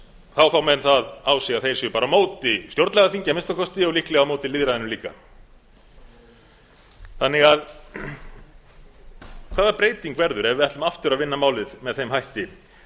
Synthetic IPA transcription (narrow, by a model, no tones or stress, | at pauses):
θawfawmɛðnθaðawsɛɣaθejɾ̥sɪpaːɾamoːwt̪ɪst̪jowɾt̪lɛɣaθiɲcamɪnst̪akʰɔst̪ɪɔwlihklɛɣawmowt̪ɪliðɾaðɪnʏmliːka̰ | θanːɪɣað | kʰvaːðaɾpɾeːjt̪iŋkvɛɾðʏɾɛvɪðɛht̪ʏmaft̪ʏɾaðvɪnːamaːwlɪðmɛðθejmhajht̪ɪ